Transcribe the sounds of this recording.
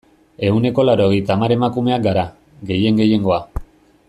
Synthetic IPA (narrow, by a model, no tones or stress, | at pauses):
e̞une̞ko̞laɾo̞ɣejt̪aːmaɾe̞makume̞akɡaɾa | ɡe̞je̞ŋɡe̞je̞ŋɡo̞a